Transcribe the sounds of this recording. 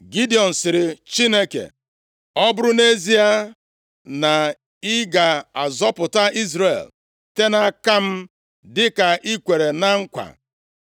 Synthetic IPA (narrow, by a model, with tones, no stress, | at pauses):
ɡi˦di˨ɔ˨n̩˨sɪ˨ɾɪ˨t͡ʃi˦ne˦kḛ˨ | ɔ˦bʊ˦ɾʊ˦ne˦zi˦a˦ | na˨ | ɪ˦ɡa˨a˨zɔ˦pʊ˨ta˦i˦zɾe˨l | te˦na˦ka˦m̩˦ | dɪ˦ka˨ʔi˦kʷe˨ɾe˨na˦ŋ̩˦kʷa̰˨